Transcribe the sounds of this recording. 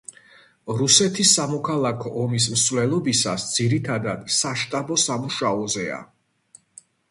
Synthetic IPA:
ɾusɛt̪ʰisːamɔkʰalˠakʰɔʔɔmis̬msvlɛlˠɔbisasd̪z̥iɾit̪ʰad̪ad̪̥saʃt̪ʼabɔsamuʃaɔzɛa̰

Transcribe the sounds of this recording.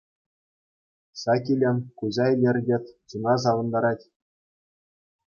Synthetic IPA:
sɑkʲilʲenkuzɑelʲĕrʲdʲet̪ʲt͡sunɑs̬ɑʋɤ̆nd̪ɑɾɑtʲ

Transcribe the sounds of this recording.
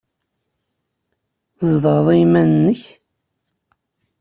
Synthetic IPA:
zˤðəʁðˤijmænənːəç

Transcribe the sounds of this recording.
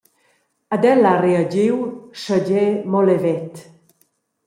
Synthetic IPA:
əd̪ɛlareəd͡ʑiwʃəɟɛmɔlevɛt̪

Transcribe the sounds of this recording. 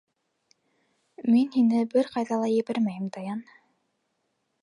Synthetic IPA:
minhinɘbɘɾqɑjðɑlˠɑjɘ̆βæɾmæjɘmt̪ɑjɑn

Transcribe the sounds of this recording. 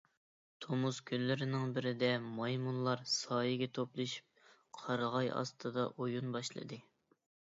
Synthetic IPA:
t̪ʰomuskʲʰynlɪɾɪnɪŋbɪɾɪd̪ɛmɑjmunlˠɑɾsɑːjiɡʲɛt̪ʰoplˠɨʃi̥p̚ | qʰɑɾʁɑjɑ̰st̪ʰɨd̪ɑʔojunbɑʃlˠɨ̰d̪ɨ

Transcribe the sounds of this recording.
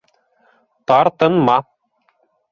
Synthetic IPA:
t̪ɑɾt̪ɤnmɑ

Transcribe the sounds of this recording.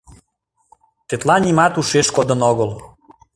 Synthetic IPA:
t̪et̪lɑnʲimɑt̪uʃeʃkod̪ənoɣəl

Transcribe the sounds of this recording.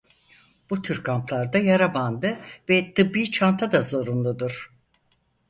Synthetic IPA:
b̥ut̪ʰyɾkʰamplˠaɾd̪ajaɾaband̪ɯvɛt̪ʰɯbːiːt͡ʃʰant̪ʰad̪azo̞ɾunlˠud̪uɾ̥

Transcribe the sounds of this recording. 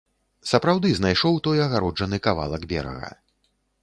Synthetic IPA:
sɐpɾawd̪ɨznajʂɔwt̪ɔjɐɣaɾɔd͡ʐɐnɨkava̰lˠɐɡbʲɛ̰ɾɐ̰ɣɐ̰

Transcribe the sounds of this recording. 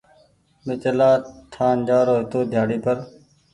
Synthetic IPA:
mɪt͡ʃəlaːt̪ʰaːnd͡ʒaːɾoːɦɪt̪oːd̪ʱjaːɽiːpəɾ

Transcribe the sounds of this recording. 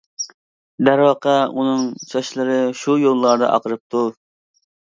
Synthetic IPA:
d̪æɾwɑqʰɑunɨŋt͡ʃʰɑʃlˠɨɾɨʃujolˠːɑɾd̪ɨ̰ʔɑ̰qʰəɾɨp̚t̪ʰu

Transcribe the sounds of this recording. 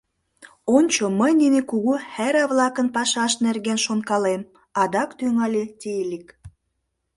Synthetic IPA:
onʲt͡ɕoməjninekuɣuhæɾɑβlɑkənpɑʃɑʃnerɣenʃonkɑlem | ɑd̪ɑkt̪yŋɑlʲet̪ʲelʲik

